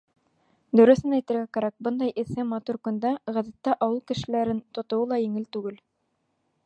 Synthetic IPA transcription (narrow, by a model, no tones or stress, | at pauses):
d̪ɵ̆ɾɵ̆θɘnæjt̪ɘ̆ɾɡækæɾæk̚bɤnd̪ɑjʔɘ̆sɘmɑt̪uɾkɵ̆nd̪æʁæðæt̪ːæʔɑwɤlˠkɘ̆ʃɘ̆læɾɘnt̪ŏt̪ŏwɤlˠɑjɘ̆ŋɘlt̪ʉɡɘl